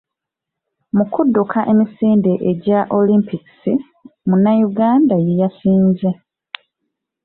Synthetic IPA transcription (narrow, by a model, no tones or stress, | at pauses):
mukudːukʰaʔe̞misiːnde̞ʔeɟaʔo̞limpiki̥si | munajuɡaːndajejasiːnze